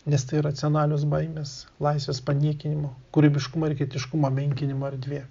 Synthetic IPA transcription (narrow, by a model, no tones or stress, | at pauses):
nʲɛst̪ɐɪɾɐt̪t͡s̪ʲɪonɑːlʲoːsbɐɪmʲeːslˠɐɪsʲʋʲeːspɐnʲiɛkʲɪnʲɪmoːkʊɾʲɪbʲɪʃkʊmɐːɪrʲkʲɪt̪ʲɪʃkʊmɐmʲɛŋʲkʲɪnʲɪmoːɪɾʲd̪ʲʋʲiɛ